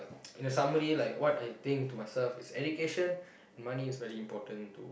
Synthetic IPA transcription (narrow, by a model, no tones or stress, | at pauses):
ĩnəsaməɾilaɪkwɔtajt̪ɪ̃ŋk̚tumaɪsɛlfɪsɛdukeʃə̃n | ɛ̃nmaniisvɛɹiĩmpɔtə̃ntṵ